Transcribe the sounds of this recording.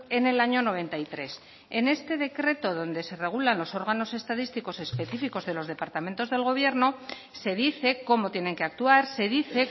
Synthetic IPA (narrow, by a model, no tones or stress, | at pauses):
e̞ne̞laɲo̞no̞β̞e̞nt̪ait̪ɾe̞s | ene̞st̪e̞ðe̞kɾe̞t̪o̞ðo̞nd̪e̞se̞re̞ɣ̞ulanlo̞so̞ɾɣ̞ano̞se̞st̪aðist̪iko̞se̞spe̞θifiko̞zðe̞lo̞zðe̞paɾt̪ame̞nt̪o̞zðe̞lɣ̞o̞β̞je̞ɾno̞ | se̞ð̞iθe̞ko̞mo̞t̪jene̞ŋkeak̚t̪uaɾse̞ðiθe̞